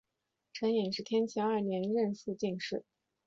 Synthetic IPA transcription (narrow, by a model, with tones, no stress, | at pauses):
ʈ͡ʂʰɤ˧˥ŋi˨˩ŋʂɻ̩˥˩t̪ʰjɛ˥nt͡ɕʰɛ˧˥ŋɐ˞˥˩njɛ˧˥nɻə˥˧nsɹ̩u˥˧t͡ɕi˥˧ŋʂɻ̩˥˩